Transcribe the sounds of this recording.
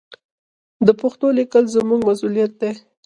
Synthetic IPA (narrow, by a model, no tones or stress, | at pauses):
d̪əpʊxt̪olɪkəlzəmuɡmasulijat̪̚d̪e